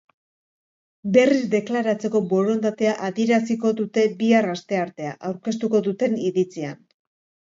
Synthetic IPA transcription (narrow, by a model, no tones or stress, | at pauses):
be̞rizd̪e̞klaɾat͡se̞ko̞bo̞ɾo̞nd̪at̪e̞aʔaðieɾasiko̞ðut̪e̞biarast̪e̞aɾt̪e̞aʔawɾke̞s̬t̪uko̞ðut̪e̞niðit͡sian